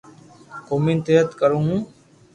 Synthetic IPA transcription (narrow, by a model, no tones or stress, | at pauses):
koːmiːnt̪eːɦət̪kəɾõːɦũː